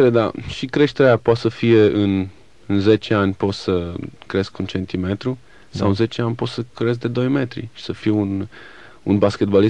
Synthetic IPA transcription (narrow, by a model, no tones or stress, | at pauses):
eed̪a̰ʃikɾe̞ʃt̪eɾeapoat̪səfije̞ʔɨn | ɨnze̞t͡ʃe̞anʲpo̞t̪səkɾe̞skunt͡ʃe̞nt̪ime̞t̪ɾu | sawɨnze̞t͡ʃeanʲpo̞t̪səkɾe̞s̬̚d̪e̞d̪o̞jme̞t̪ɾḭʃi̥səfijeun | unbaskʲe̞t̪̚bali